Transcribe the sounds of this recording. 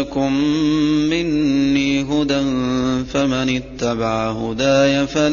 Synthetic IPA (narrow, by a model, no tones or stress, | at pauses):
kʊmː | ɪnːiːɦʊd̪anfamanɪt̪ːabaʕahʊd̪aːjafa